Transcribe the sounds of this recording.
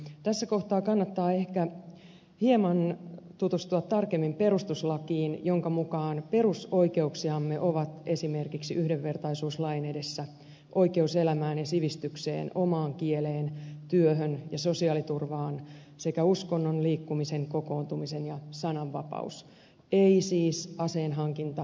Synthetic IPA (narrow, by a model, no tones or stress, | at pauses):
t̪æsːæko̞ht̪ɑːkɑnːɑt̪ːɑːe̞hkæ | hiemɑnt̪ut̪ust̪uɑt̪t̪ɑrkemːimpe̞ɾust̪uslɑkiːnjo̞ŋkɑmukɑːnperusoike̞uksiɑmːe̞ʔo̞ʋɑt̪esime̞rkiksiʔyhdeʋːe̞rt̪ɑisuːslɑjnede̞sːæ | ʔo̞ike̞use̞læmæːnjɑsiʋist̪ykse̞̰ːno̞mɑːŋkieleːnt̪yøɦønjɑso̞siɑːlit̪urʋɑːn | se̞kæusko̞nːonliːkːumise̞ŋko̞ko̞ːnt̪umise̞njɑsɑnɑʋːɑpɑ̰us | eisiːsɑse̞ːnɦɑŋkint̪ɑ